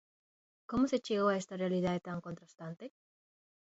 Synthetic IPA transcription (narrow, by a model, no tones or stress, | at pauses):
komoset͡ʃeɣoaest̪arealiðaðet̪aŋkont̪ɾast̪ant̪e